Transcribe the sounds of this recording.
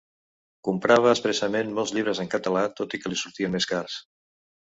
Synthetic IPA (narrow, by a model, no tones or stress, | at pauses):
kumpɾaβ̞əːspɾəsəmenmɔlˠzʎiβ̞ɾəzəŋkət̪əlat̪ot̪ikəlisuɾt̪iənmeskaɾs